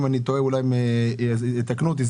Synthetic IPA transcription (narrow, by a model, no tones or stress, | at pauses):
manit̪oeulajme | t̪aknut̪iz